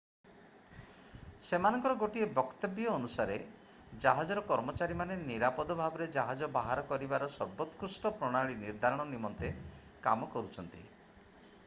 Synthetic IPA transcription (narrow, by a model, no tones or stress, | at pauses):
semanɔ̃ŋkɔɾɔɡoʈiebɔkt̪ɔbjɔːnusaɾe | d͡ʒaɦad͡ʒɔɾɔkɔɾmɔt͡ʃaɾimaneniɾapɔd̪ɔbʱabɔɾed͡ʒaɦad͡ʒɔbaɦaɾɔkɔɾibaɾɔsɔɾbɔt̪kɾusʈɔpɾɔɽ̃aɭiniɾd̪ʱaɾɔɽ̃ɔnimɔnt̪e | kamɔkɔɾut͡ʃʰɔnt̪ḭ